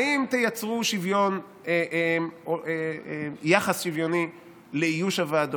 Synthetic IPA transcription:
aimt̪ejat͡sʁuʃivjo̞n | eʔemoeejaχasʃivjo̞ni | leijuʃavaado

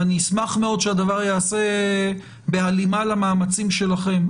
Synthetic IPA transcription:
anismaχmeo̞d̪ʃead̪avaʁjaːse̞ | be̞alimalamaːmat͡simʃe̞laχe̞m

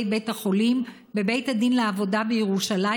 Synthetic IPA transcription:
jbe̞jthaχo̞lim | be̞be̞jthadinleavo̞dabejeʁuʃala

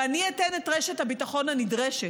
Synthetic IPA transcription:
anietenetʁeʃethabitaχo̞nanidʁeʃe

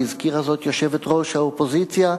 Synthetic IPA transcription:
izkiʁazo̞t̪joʃevet̪ʁo̞ʃhaopozit͡sja

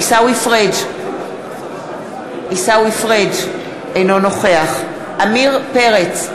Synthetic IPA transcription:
isawifʁed | isawifʁed | ejno̞noχeaχ | ʔamiʁpeʁet͡s

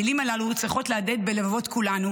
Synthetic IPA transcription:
ilimalaluut͡sʁiχo̞tlead̪e̞d̪̚be̞levavo̞t̪kulanu

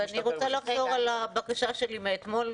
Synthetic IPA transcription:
aniʁot͡salaχzo̞ʁalabakaʃaʃe̞limeːt̪mo̞l

